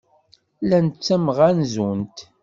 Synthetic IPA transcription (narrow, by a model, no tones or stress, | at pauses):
lænt͡sːæmʁænzunt̪